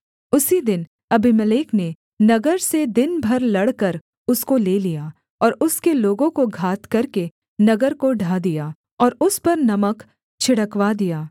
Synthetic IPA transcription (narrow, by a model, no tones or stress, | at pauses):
ʊsid̪ɪn | ɐbiməleːkne | nɐɡəɾsed̪ɪnbʱɐɾlɐɽkɐɾ | ʊskoleːlijaː | ɔːɾʊskeloːɡõkoɡʱaːt̪kɐɾke | nɐɡəɾkoɖʱaːd̪ijaː | ɔːɾʊspɐɾnɐmək | t͡ʃʰɪɽəkʋad̪ijaː